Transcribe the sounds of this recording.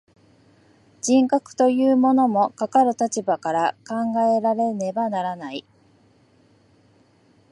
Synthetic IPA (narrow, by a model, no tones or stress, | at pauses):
d͡ʑĩŋkakɯ̟̥t̪o̞jɯ̟ːmo̞no̞mo̞kakaɾɯ̟t̪at͡ɕibakaɾakãŋɡae̞ɾaɾe̞ne̞banaɾanai